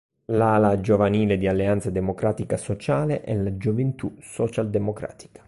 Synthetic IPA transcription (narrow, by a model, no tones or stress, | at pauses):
laːlad͡ʒovaniːled̪ialːeant̪sad̪emokɾaːt̪ikasot͡ʃaːleʔɛlad͡ʒovent̪usɔt͡ʃald̪emokɾa̰ːt̪i̥kḁ